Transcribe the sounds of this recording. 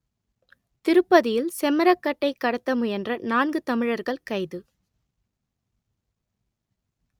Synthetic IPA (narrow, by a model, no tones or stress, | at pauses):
t̪ɪɾɯpːɐðɪjɪlsɛmɐɾɐkːɐʈːɐɪkːɐɽɐt̪ːɐmɯjɛndrɐnaːnɡɯt̪ɐmɪɻɐɾɣɐɭkɐɪðɯ